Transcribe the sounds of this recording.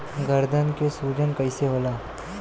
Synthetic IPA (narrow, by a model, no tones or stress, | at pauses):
ɡɐɾd̪ʱənkesuːd͡ʒənkɐiseɦoːlaː